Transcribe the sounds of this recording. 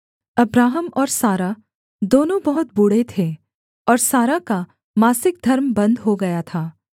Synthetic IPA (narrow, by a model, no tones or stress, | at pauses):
ɐbɾaːɦəmɔːɾsaːɾa | d̪oːnõbɐɦʊt̪̚bʊɽ̤et̪ʰe | ɔːɾsaːɾaka | maːsɪk̚d̪ʱɐɾmbɐ̃nd̪ʱɦoɡɐjat̪ʰaː